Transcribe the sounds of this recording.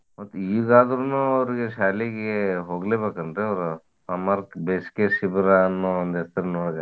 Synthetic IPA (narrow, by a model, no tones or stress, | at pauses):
mɐt̪ːuiːɡaːd̪ɾunuːɐʋɾiɡeʃaːleɡeɦoːɡleːbeːkɐnd̪ɾeɐʋɾu | ɐmɐɾkbeːskesibɾaːnːoond̪ɛsɐɾenoɽɡa